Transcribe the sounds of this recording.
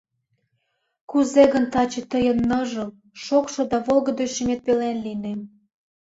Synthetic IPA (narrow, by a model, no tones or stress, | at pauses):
kuzeɣənt̪ɑt͡ɕĕt̪əjənːɤʒə̆l | ʃokʃŏd̪ɑβolɣə̆d̪ojʃimet̪̚pelenlinem